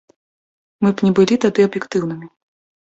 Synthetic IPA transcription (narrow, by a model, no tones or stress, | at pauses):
mɨpnʲɛbɨlʲit̪ad̪ɨɐbjɛkt̪ɨwnɨmʲi